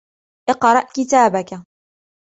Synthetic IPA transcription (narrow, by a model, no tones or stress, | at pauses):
ʔɪqɾˤɑʔkɪt̪aːbaka